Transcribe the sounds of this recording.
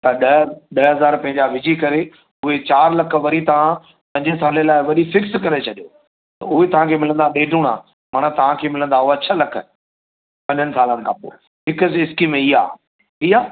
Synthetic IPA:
t̪ɐɗɐɗɐɦɐzaːɾpɐ̃ɦɪ̃ɲd͡ʑaʋɪd͡ʑikɐɾe | ʊɦet͡ɕaːɾlɐk̆ʰʋɐɾit̪ɐʋ̤ã | pɐ̃ɲd͡ʑəɪsaːlelaːɪʋɐɗifɪkskɐɾet͡ɕʰɐɗijo | t̪ɐʊɦet̪ɐʋ̤ãkʰeːmɪlə̃nd̪aɗeːɖʱuɽ̃a̰ː | maɽ̃ət̪ɐʋ̤ãkʰeːmɪlə̃nd̪aʊɦat͡ɕʰɐlɐkʰə̆ | pɐ̃ɲd͡ʑənɪ̆saːlənɪ̆kʰã̰ːpo̰ː | ɦɪkəsɪskimẽiːa̰ː | iːaː

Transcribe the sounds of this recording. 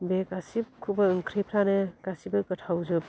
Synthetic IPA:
bekasip̚kʰubɯɯŋkʰɾipʰɾanɯkasibɯɡɯtʰawzɯp̚

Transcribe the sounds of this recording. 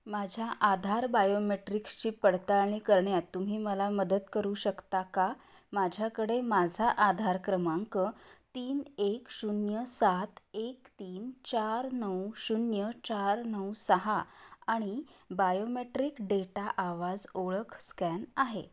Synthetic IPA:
mad͡ʑʱjaʔad̪ʱaɾbajomeʈɾikst͡ɕiːpəɽt̪aɭɳiːkəɾɳjat̪ːum̤iːməlaməd̪ət̪kəɾuːɕəkt̪aka | mad͡ʑʱjakəɽemad͡zʱaʔad̪ʱaɾkɾəmaŋkət̪iːneksunjəsat̪ekt̪iːnt͡ɕaɾnəwɕunjət͡ɕaɾnəwsəɦaaɽ̃ibajomeʈɾikɖeʈaʔaʋad͡zoɭəkʰskænaɦḛ

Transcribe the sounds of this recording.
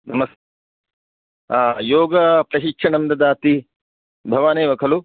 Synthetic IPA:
nɐmɐst̪ | aːjoːɡɐpɾɐʃikʂʰɐnɐmd̪ɐd̪aːt̪i | bʱɐʋaːneːʋɐkʰɐlu

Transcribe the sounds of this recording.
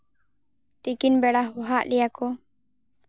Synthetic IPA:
t̪ikinbeɽauɦaʔlijako

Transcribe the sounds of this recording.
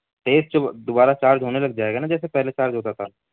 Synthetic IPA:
t̪eːsd͡ʒod̪obaːɾat͡ʃaːɾd͡ʒʱɦoːnelɐɡ̚d͡ʒaːeːɡanad͡ʒɛːs̬epɛɦlet͡ʃaːɾd͡ʒɦoːt̪at̪ʰa

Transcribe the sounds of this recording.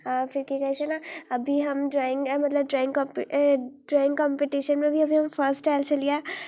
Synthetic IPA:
afʰɪɾkikɐt͡ʃʰenaɐbʱiɦɐmɖɾaːɪ̃ŋɡmɐt̪ləb̚ʈɾaːɪ̃ŋɡkpɖɾaːɪ̃ŋɡkɔmpeʈiʃənmẽɐbʱiɐbʱiɦɐmpʰəɾsʈʈaɪlt͡ʃɐlijaː

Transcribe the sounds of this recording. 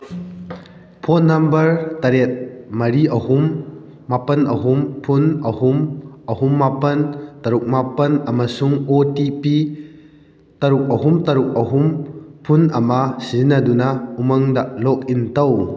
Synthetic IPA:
pʰɔnːɐmbɐɾt̪ɐɾet̚mɐɾiʔɐhumː | apɐnɐɦumpʰunɐhumɐhumːapɐnt̪ɐɾuk̚mapɐnɐmɐsuŋotipi | t̪ɐɾuk̚ɐɦumt̪ɐɾuk̚ɐɦumpʰunɐmɐsiznɐdunɐumɐŋdɐlɔk̚intɐw

